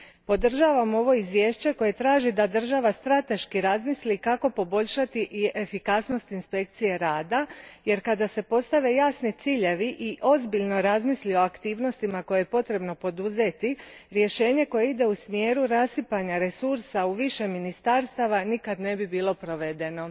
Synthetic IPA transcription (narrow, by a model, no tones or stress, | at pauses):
po̞d̪r̩ʒaːʋamo̞ʋo̞izʋje̞ːʃt͡ɕe̞ko̞je̞t̪ɾaːʒid̪ad̪r̩ʒaʋast̪ɾat̪e̞ʃkiɾazmislikako̞po̞bo̞ʎʃat̪iʔiʔe̞fikasno̞st̪inspe̞k̚t̪sije̞ɾaːd̪aje̞ɾkad̪ase̞po̞st̪aʋe̞jaːsnit̪siːʎe̞ʋiʔiʔo̞zbiʎno̞ɾazmislio̞akt̪iːʋno̞st̪imako̞jeje̞po̞t̪ɾe̞bno̞po̞d̪uze̞t̪iɾje̞ʃe̞ːɲe̞ko̞jeid̪e̞usmje̞ːɾuɾasipaɲaɾe̞suɾsauʋiʃe̞minist̪aɾst̪aʋanikad̪ne̞bibiːlˠo̞pɾo̞ʋe̞d̪e̞no̞